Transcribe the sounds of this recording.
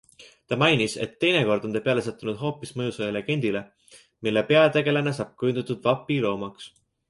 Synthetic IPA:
t̪ɑmɑjnise̞̰t̪ːe̞jneko̞rd̪̥o̞nd̪epe̞ɑle̞sɑt̪ːˑunud̪̥ɦo̞ːpːˑismɤjuselele̞ɡ̥e̞nʲd̪̥ile̞ | milːepe̞ɑt̪e̞ɡe̞lenes̬ɑːb̥̚kyjund̪ut̪ːud̪̥vɑpːˑilo̞ːmɑks

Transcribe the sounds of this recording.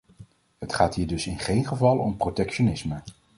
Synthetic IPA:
ɦətχaːtɦiːɹdɵsɪnχejnχəvɑlˠɔ̰mprotɛkʃonɪsmə

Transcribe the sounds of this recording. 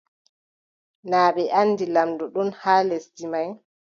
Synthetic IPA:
naːɓɛʔanːdilamdɔɗɔnhaːlesdimaj

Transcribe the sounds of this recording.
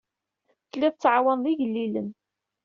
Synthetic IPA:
θəlːiðt͡sːʕawænðiʝəlːilə̰n

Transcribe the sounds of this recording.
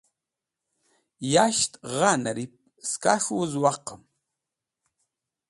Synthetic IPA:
jaʃtʼʁanaɾip̚ | ska̰ʂwəzwaqəm

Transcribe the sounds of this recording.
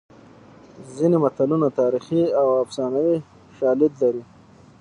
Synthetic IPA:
zinemat̪alunat̪ɑːɾixiawafsɑːnawi | ʃɑːlɪd̪laɾi

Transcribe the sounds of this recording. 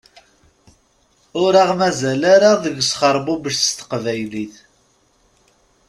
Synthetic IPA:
ʊɾaʁmæzælaɾaðəɡsχəɾˤbubəʃst̪ə̥qvæjliθ

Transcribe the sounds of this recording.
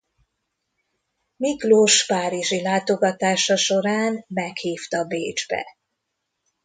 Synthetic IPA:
mikloʃpaːɾiʒilaːt̪o̞ɡɒt̪aːʃɒʃo̞ɾaːnmɛkhiːft̪ɒbeːd͡ʒbɛ̰

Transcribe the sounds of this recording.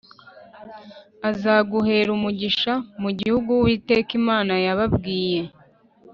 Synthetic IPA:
azaɡuhe̞ːɾumuɟiʃamuɟihuɡuwiːteːkimaːnajaβabɡiːje̞

